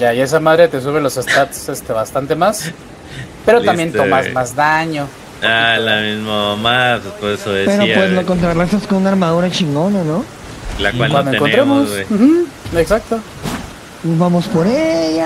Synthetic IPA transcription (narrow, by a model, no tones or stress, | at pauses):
ʝaie̞s̬amað̞ɾe̞t̪e̞s̬uβ̞e̞lo̞sest̪at̪sest̪e̞βast̪ant̪e̞mas | pe̞ɾot̪ammbjent̪o̞mazmazðaɲo̞ | alamizmamamapespeðesoβepeɾopweznokont̪̬ɾalasaskonunaɾmaðuɾat͡ʃiŋɡo̞nano | lakkwalkwandoeeŋkont̪ɾemosem̩ | eksak̚t̪o | βamospoɾeja